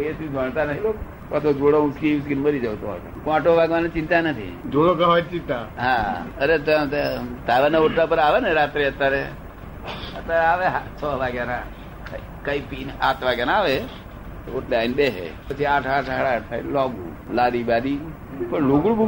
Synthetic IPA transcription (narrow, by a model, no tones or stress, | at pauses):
eʃũd͡ʒaɳt̪anət̪ʰilok | pat̪ʰod͡ʒoɽomuskiuskinməɾid͡ʒəʋt̪oɔ̰t̪a̰kãʈʰoʋaɡʋanet͡ʃɪ̃nt̪anət̪ʰḭd͡ʒoɽokəɦʋat͡ʃĩnt̪aɦãəɾet̪ət̪aʋanaoʈlapəɾaʋeneɾat̪ɾiət̪ːaɾe | ət̪ːaɾeaʋeɦat͡ʃʰɔʋaɡjana | kaipina̰t̪ʰʋaɡjanaʋe | oʈlajnbeɦḛpət͡ʃʰiaʈʰaʈʰɦəɽaʈ̪ʰa̰ilɔɡṵ | laɾibaɗ̪i | pəɳloɡuɽbu